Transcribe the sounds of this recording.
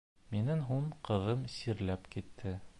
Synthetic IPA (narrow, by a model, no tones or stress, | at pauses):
minɘŋɦuɴqɤ̆ðɤmsiɾlæpkit̪ʰːɘ